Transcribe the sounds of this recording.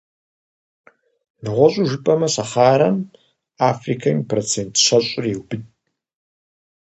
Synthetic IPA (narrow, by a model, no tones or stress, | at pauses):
nɨʁʷɔɕʷʼuʒɨpʼɐmɐsɐχaːɾɐn | afrikʰajmpʰrot͡sʰentʰɕɐɕʷʼʊriwbɨtʼ